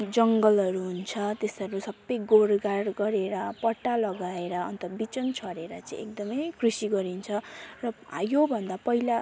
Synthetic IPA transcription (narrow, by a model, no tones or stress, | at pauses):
d͡zʌŋɡʌlɦʌɾuɦunt͡sʰʌt̪esʌɾusʌbːʌjɡoɽɡarɡʌɾeɾʌpʌʈːalʌɡaeɾʌʌ̰nt̪ʌbit͡sʌnt͡sʰʌɾeɾʌt͡saḭ̃ḛk̚d̪ʌmʌjkʰrisiɡʌɾint͡sʰʌrʌ̰jobʱʌnd̪apʌɦila